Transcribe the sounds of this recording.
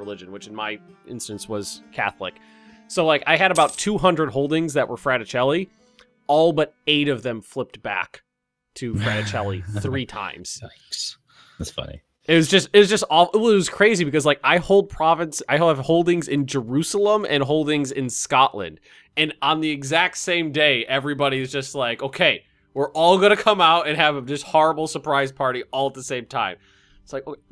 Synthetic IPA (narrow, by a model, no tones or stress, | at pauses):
əlɪd͡ʒɨ̃nwɨt͡ʃɨ̃n̩maɪʔɪ̰̃nstɨ̃nswʌz̥kʰæ̰θlˠɪ̰k | soʊlaɪkaɪɨɾɨbaʊtʰʉɦʌ̃ndɹɨd̚ɦoʊlˠdɪ̃ŋzðɨʔwə˞fɹæɾɨt͡ʃʰɛlˠi | ɔlˠbʌɾeɪɾʌvðɨ̃ɱflɪp̚t̚b̥æ̰k | tʰɨfɹæɾɨt͡ʃʰɛlˠiθɹitʰã̰ɪ̃mz̥ | æsfʌ̰nḭ | ɨt̚wʌzd͡ʒʌstɨt̚ʌzd͡ʒʌstɔɪʌt̚wʌz̥kʰɹ̥eɪzibɨkʌzlaɪkaɪhoʊlˠd̚pʰɹ̥ɑvɨ̃nsaɪɨv̥hoʊlˠdɪ̃ŋzɪ̃nd͡ʒə˞ʉsl̩ˠə̃mʔɨ̰̃nɦoʊlˠdɪ̃ŋzɪ̃nskɑʔlɨ̰̃nd̥ | ɨ̃nə̃nðiɨɡzæk̚tsẽɪ̃mdeɪʔɛvɹibɑɾiɨzd͡ʒʌst̚ˡlaɪkoʊkʰeɪ | wɪɹʔɔlˠɡʌnɨkʰʌ̃maʊɾɨ̃nɨvɨd͡ʒʌst̚hɔɹəbl̩ˠsə˞pʰɹ̥aɪz̥pʰɑɹɾiɔlˠət̪̚ðəsẽɪ̃mtʰãɪ̃m | ɪtslaɪkoʊ